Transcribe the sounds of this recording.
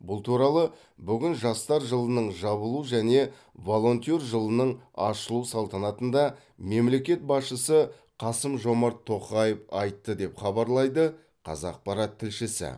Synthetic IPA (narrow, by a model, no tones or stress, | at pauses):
bʊlˠt̪ʰuɾɑlˠə | bʏɡʲɪnʒɑst̪ɑɾʒəlˠənəɴʒɑβəlˠuʒæne̞ | vo̞lˠo̞nt̪iorʒəlˠənəɴɑ̰ʃəlˠusɑlˠt̪ɑnɑt̪ənd̪ɑ | me̞mle̞kʲe̞t̪̚bɑsʃəsə | qʰɑsəmʒo̞mɑɾt̪ʰːo̞χɑjəfɑjt̪ːəd̪e̞pχɑbɑɾlˠɑjd̪ə | qʰɑ̰zɑq̚pɑɾɑt̪ʰːɪlʃɪsɪ̰